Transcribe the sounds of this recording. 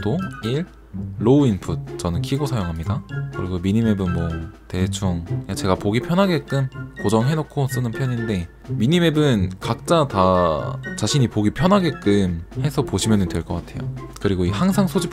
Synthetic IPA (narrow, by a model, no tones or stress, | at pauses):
doiɭː | oinpʰut̚t͡ɕʌnɯnkʰiɡosʰajoŋɦamɲidakɯɾiɡomiɲime̞bɯnmwʌte̞t͡ɕʰuŋjat͡ɕe̞ɡapoɡipʰjʌnɦaɡe̞k͈ɯmkod͡ʑʌŋɦe̞nokʰos͈ɯnɯnpʰjʌɲinde̞ | miɲime̞bɯnkak̚t͡ɕ͈ata | t͡ɕaɕʰiɲipoɡipʰjʌnɦaɡe̞k͈ɯmhe̞sʰʌpoɕʰimjʌnɯndweɭk͈ʌk͈atʰe̞jokɯɾiɡoihaŋsʰaŋsʰod͡ʑip